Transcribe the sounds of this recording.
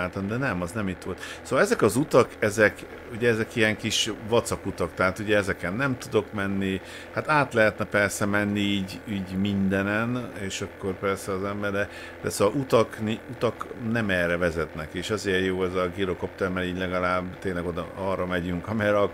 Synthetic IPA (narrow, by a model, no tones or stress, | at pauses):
aːlt̪ɒmd̪ɛnɛmɒznɛmit̪ːʋo̞lt̪soːʋɒlɛzɛkɒzut̪ɒkɛzɛk | uɟɛɛzɛkiɛŋkiʃvɒt̪sɒkut̪ɒkt̪ɛɦaːt̪uɟɛɛzɛkɛnːɛmt̪ud̪o̞kmɛnːi | hat̪aːt̪lɛɦɛt̪nɛpɛrsɛmɛnːiiːɟiːɟmind̪ɛnɛneːʃɒkːo̞rpɛrsɛɒzɛmbɛɾɛ | d̪ɛsoːʋɒlut̪ɒkniut̪ɒknɛmɛːrɛvɛzɛt̪nɛkeːʃɒzeːrjoːɛzɒɡiɾoko̞pt̪ɛrmɛɾiːɟlɛɡɒlaːbt̪eːnlɛɡo̞d̪ɒ̰ɒːrːɒmɛɟyŋkɒmɛɾɒ